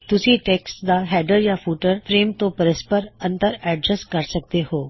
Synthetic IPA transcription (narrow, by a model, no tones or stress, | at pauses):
t̪ʊsiʈeːksd̪aɦɛːɖəɾjafʰuːʈəɾfʰɾeːmt̪õpɐɾəspəɾɐ̃nt̪əɾɛːɖɾəskɐɾsɐk̚t̪ehoː